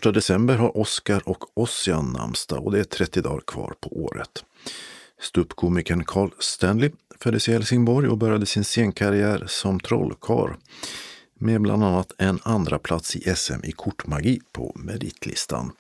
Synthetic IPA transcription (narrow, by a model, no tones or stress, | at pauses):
fœʂʈad̪ɛsɛmbəɾɦaɾʔɔskaɾɔkɔsɪanːa̰mst̪a̰ɔd̪ɛæʈ̪ʰɾɛt̪ːɪd̪ɑ̰ːɾkʰvɑ̰ːɾpʰɔʔoːɾə̰t̪ | st̪ɵpkʰuːmɪkənkʰɑːɭst̪ɛnlɪfœd̪ːəsɪhɛlsɪŋbɔɾjɔbœɾjad̪əsɪnseːŋkʰaɾɪæːɾsɔmt̪ʰɾɔ̰lːkʰɑ̰ːɾ | mebla̰nd̪anːat̪ʰɛnand̪ɾapʰlat̪sɪʔɛsɛ̰mʔɪkʰʊʈːmaɡipʰɔ̰mɛd̪ɪ̰t̪ʰlɪ̰st̪ʰa̰n